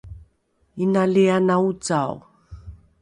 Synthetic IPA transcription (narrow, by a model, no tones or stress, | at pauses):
inaleanaut͡saw